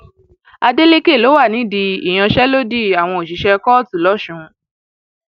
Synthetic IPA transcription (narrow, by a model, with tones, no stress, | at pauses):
a˧de˦le˦ke˦˨lo˨˦wa˦˨nĩ˨˦di˧i˨j̃ã˧ʃɛ˦lo˦di˦˨a˨w̃ɔ̃˧o˨ʃi˨˦ʃɛ˧kɔ˦tu˨lɔ˨˦˨ʃũ˨˦